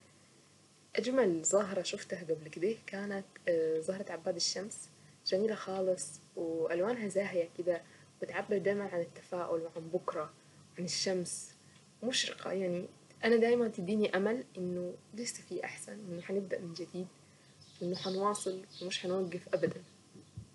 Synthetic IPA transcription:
ʔad͡ʒmalzˤɑɦɾˤɑʃʊft̪ahɡablkɪd̪ekaːnat̪zˤɑhɾˤɑt̪ʕabːaːd̪ɪʃːams | ʒ̥amiːlaxɑːlɨsˤ | wɪʔalwaːnɦazaːɦjakɪd̪a | wbɪt̪ʕabːɪɾd̪aːjmanʕanɪt̪ːḁfaːʔʊlwɪʕanbʊkɾˤɑ | wʕanɪʃːams | wmʊʃɾɪ̰qʰɑ̰jaʕni | ʔanad̪aːjmant̪ɪd̪iːniʔamalʔɪnːʊlesːafiːʔa̰ħsa̰nʔɪnːʊħanɪb̚d̪aʔmɪnd͡ʒɪd̪iːd̪̚ | ʔɪnːʊħanwɑːsˤɨlwmɪʃħanwaɡːɪfʔabad̪an

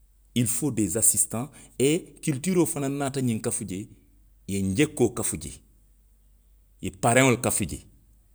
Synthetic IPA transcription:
ilfodezasistãekiltiɾofananːaːtaɲiŋkafuɟe | jeɲɟekːoːkafuɟḛ | jepaɾeŋolkafuɟḛ

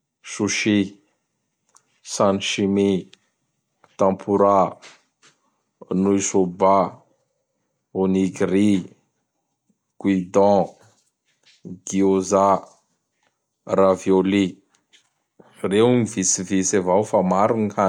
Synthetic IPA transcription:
suʃi | sanʃimi | t̪ãpʰuɾa | nuisoba | oniɡri | ɡ̥wid̪ɔ̃ | ɡioza | ravjoli | rewmivisivisavawfamaɾuŋka

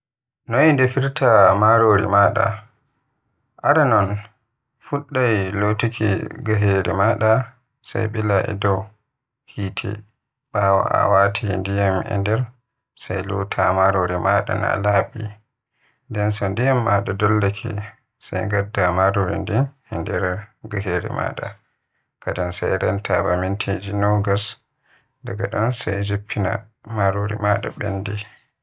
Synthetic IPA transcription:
nojndɛfiɾtʰamaɾoɾḭmaɗa̰ | ʔaɾanɔn | fuɗːajlotikʰḭɡaɦeɾimaɗa | sa̰jɓɛlaʔɛ̰dɔw | hitʰɛ̰ | ɓawa̰ʔa̰watʰindijamʔɛ̰ndɛɾ | sajlo̰tʰamaɾoɾimaɗa̰na̰laɓḭ | ndɛnsɔndijamːaɗadɔlːakʰɛ̰ | sajɡadːamaɾoɾindin | ɛndɛɾɡaɦeɾɛ̰ma̰ɗa | kadansajɾantʰabamintʰed͡ʒinɔɡas | daɡaɗɔnsajd͡ʒipʰːina̰ | maɾoɾḭmaɗa̰bɛ̰nːdɛ

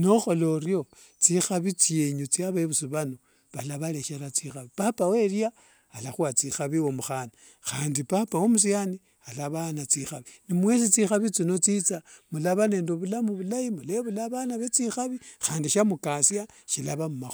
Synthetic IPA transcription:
noxo̞lo̞rjo̞ | t͡sixaβit͡sjeɲut͡sijaβaiβusuβano | βalaβale̞ʃeɾat͡sixaβipapawe̞ɾiaː | laxuat͡sixaβiwomuxana | xaːndipapawomus̬iani | alaβanat͡sixaβinimwe̞s̬it͡sixaβit͡sino̞t͡sit͡samulaβane̞ːndoβulamuβulajimuleβulaβanaβet͡sixaβixaːndiʃamukasja | ʃilaβamumax

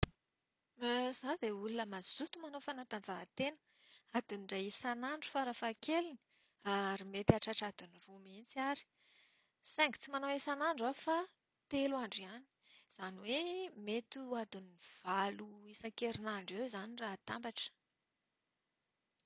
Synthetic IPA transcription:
z̥ad̪eulunəmaz̥ut̪umanowfanant̪and͡zaɦat̪enə̥ | ad̪̥iniɖ͡ʐajesanaɳɖ͡ʐu̥faɾafakʰelini̥ | aɾimet̪iaʈ͡ʂaʈ͡ʂad̪unirumint͡siaɾi̥ | sɛŋɡt͡simanaesanaɳɖ͡ʐafa | t̪elaɳɖ͡ʐiani̥z̥aniwemet̪uad̪unv̥aluisakeɾinaɳɖ͡ʐewzaniraɦt̪ambaʈ͡ʂə̥

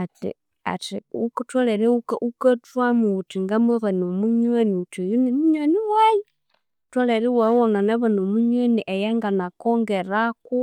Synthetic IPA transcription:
atḭ | a̰tiuktwaleɾeukaʔukatwamuutiŋɡameβanumuɲweniutojunimuɲweniwaji | twoleɾiwawonanaβanumuɲweniʔejaŋɡanakoŋɡeɾaku

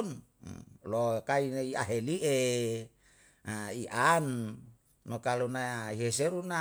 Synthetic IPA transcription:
n | lokainiaɦeliʔe | aiʔanː | okalunaiɦes̬eɾuna

